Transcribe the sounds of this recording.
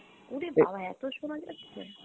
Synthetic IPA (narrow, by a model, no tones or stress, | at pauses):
unibʱabaɛt̪oʃonad͡ʑatːʃʰḛ